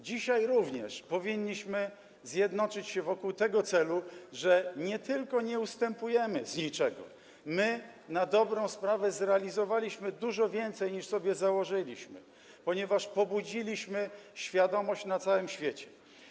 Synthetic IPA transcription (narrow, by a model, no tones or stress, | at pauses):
d͡ʑiɕajɾuvɲɛ̰ʂpɔvʲiɲːiɕmɘ | zʲjɛd̪nɔt͡ʂɘt͡ɕɕɛvɔkuwt̪ɛɡɔt̪sɛluʐɛɲɛt̪ɘlkɔɲɛust̪ɛmpujɛmɘzɲit͡ʂɛɡɔ̰ | mɘnad̪ɔbɾɔ̃w̃spɾavɛzɾɛalʲizɔvalʲiɕmɘd̪uʐɔvʲjɛnt̪sɛjɲiʂsɔbʲjɛzawɔʐɘlʲiɕmɘ̰ | pɔɲɛvaʂpɔbud͡ʑilʲiɕmɘɕfʲjad̪ɔmɔɕt͡ɕnat̪sawɘmɕfʲjet͡ɕɛ̥